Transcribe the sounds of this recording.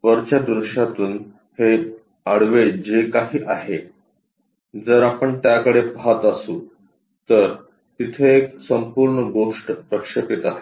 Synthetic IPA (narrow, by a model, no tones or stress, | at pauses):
ʋəɾt͡ɕad̪ɾuɕat̪uːn | he | əɽʋed͡ʑekaɦiːʔaɦe | d͡zəɾapəɳt̪jakəɽepɦat̪əsuː | t̪əɾ | t̪it̪ʰeeksəmpuɾɳəɡoʂʈpɾəkʂəpit̪aɦe